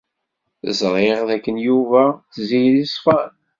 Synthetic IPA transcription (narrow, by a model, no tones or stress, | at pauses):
zˤɾˤeʁðækːənjuvæθzijlisˤfɑn